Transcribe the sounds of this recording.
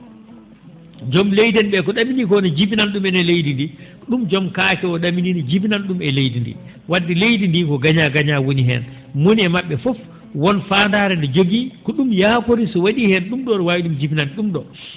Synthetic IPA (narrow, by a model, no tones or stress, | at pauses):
d͡ʒɔmlejdɛnɓɛkɔɗaminikɔnɛd͡ʒibinanɗumɛnɛlejdindi | ɗumd͡ʒɔmkakɛɔɗamininid͡ʒibinanɗumɛlejdindḭ | wadːilejdindikɔɡaɲaɡaɲawoniɦɛ̰n | moniɛmaɓːɛfɔf | wɔnfaːndaːɾɛndɔd͡ʒoɡikɔɗumjakoɾisɔwaɗihɛnɗumɗɔɾwawiɗumd͡ʒibinaniɗumɗɔ